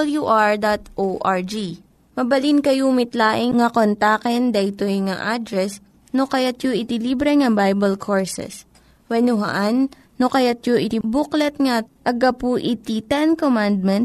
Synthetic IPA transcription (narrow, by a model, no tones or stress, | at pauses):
ljuʔaɹd̪at̪ʔoʔaɹd͡ʒi | mɐbɐlinkɐjumɪt̪laːʔɪŋŋɐkont̪akɛnd̪ɐʔɪt̪ojŋaʔad̪ɾɛs | nokɐjat̪joʔɪt̪ilibɾɛŋɐbajbɐlkʰoɹsɛ̰s | wɛnʊɦɐ̰ʔanː | okɐjat̪̚joʔɪt̪ibuklɛt̪̚ŋaʔɐɡapuʔit̪it̪ɛnkomand̪̚mɛnt̪